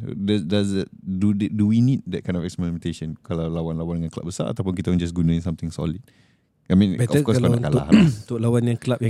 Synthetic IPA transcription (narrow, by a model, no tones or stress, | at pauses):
dadazətdudduwinid̚dɛt̚kʰãjndɔfɛkspɛɹimɛ̃nt̪eʃə̃nkalawlawanlawandəŋãnkəla̰p̚bəsa̰ɾa̰t̪awpʊnkit̪ãnd͡ʒas̬ɡunãĩnsamt̪ɪ̃ŋsɔ̰lit̚ | ʔamĩnbɛɔəfkɔsalaaʔnkalʊa̰ht̪ʊʔlawanjãŋkəlap̚ja